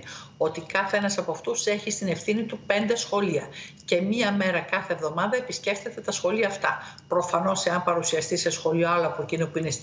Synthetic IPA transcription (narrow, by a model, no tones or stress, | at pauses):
o̞t̪ikɐθeenɐsɐpoɐft̪use̞çist̪ine̞fθinit̪upe̞nd̪e̞sxo̞liɐce̞miɐme̞ɾɐkɐθe̞ːvðo̞mɐðɐepisce̞fθe̞t̪e̞t̪ɐsxo̞liɐːft̪ɐ | pɾo̞fɐno̞se̞ɐmpɐɾusiɐst̪ise̞sxo̞lio̞ɐloɐpoecinopuine̞s